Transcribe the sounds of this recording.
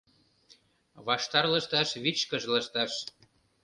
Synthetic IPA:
βɑʃt̪ɑrlə̆ʃt̪ɑʃβit͡ɕkəʒləʃt̪ɑʃ

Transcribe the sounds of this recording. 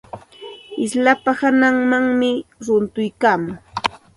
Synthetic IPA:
ɪslapahanaŋmaŋmɪɾʊnt̪ʊjkaːmʊŋ

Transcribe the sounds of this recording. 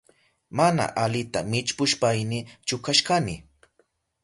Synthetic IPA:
mana̰ʔalɪt̪amɪt͡ʃpʊʃpajnɪt͡ʃʊkaʃkanɪ

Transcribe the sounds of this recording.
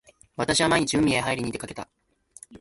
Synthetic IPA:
βat̪aɕiβamaeɲ̟it͡ɕiɯ̃mʲieɦaiɾiɲ̟it̪ekake̞t̪a̰

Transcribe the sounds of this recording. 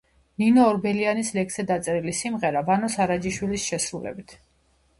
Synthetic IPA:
ninɔːɾbɛlianislɛkʰsɛd̪at̪sʼɛɾilisimʁɛɾavanɔsaɾad͡ʒiʃwilisʃɛsɾulɛ̰bit̪ʰ

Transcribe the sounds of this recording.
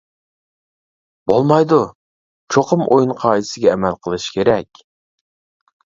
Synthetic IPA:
bolˠmɑjd̪u | t͡ʃʰoqʰəmʔojunqʰɑːisɪɡʲɛːmɛlqʰəlˠɨʃkʲeɾɛkʲ

